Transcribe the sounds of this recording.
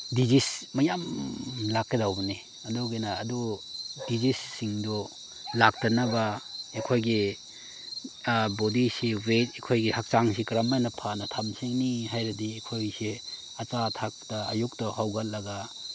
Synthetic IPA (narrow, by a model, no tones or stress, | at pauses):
dizismɐjamlakːedawbɐni | ɐduɡinaːdudizisːiŋdɔ | lak̚tɐnɐbaekʰojɡi | bodisiwetekʰojɡihak̚t͡ʃaŋsikɾamanɐpʰanɐtʰamsiŋniɦajɾɐdiːkʰojsi | ɐt͡ʃatʰak̚tɐa̰juk̚tɐhawɡalːɐɡa